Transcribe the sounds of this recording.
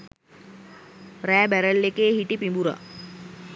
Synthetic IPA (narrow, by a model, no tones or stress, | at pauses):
ræːbæɾəlːekeːɦiʈipimbuɾa̰